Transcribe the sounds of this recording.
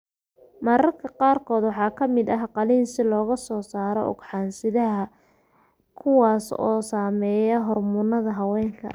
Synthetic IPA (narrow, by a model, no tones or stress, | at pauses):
mɐɾɐrkʰɐqɑːrkʰɔːd̪wɑħɑːkʰɐmɪd̪ɐɦqɑliːnsɪlɔːɣɐsɔːsaːɾɔʔɔ̰ɡħɑːnsɪðɐɦɐ | kʰʊwɑːsɔ̰ːsaːmɛːjɐɦɔrmʊnːɐðɐɦɐwɛːŋkʰɐ̰